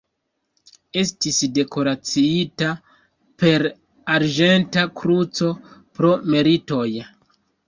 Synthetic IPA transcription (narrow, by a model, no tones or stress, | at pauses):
e̞stisde̞ko̞ɾat͡siita | pe̞ɾ | aɾd͡ʒe̞ntakɾut͡so̞pɾo̞me̞ɾito̞j